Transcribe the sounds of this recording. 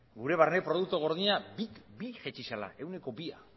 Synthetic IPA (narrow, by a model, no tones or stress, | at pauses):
ɡuɾe̞βarnepɾo̞ð̞uk̚t̪oɣ̞o̞ɾðiɲabikbiʝet͡ʃisala̰ʔe̞wne̞ko̞bia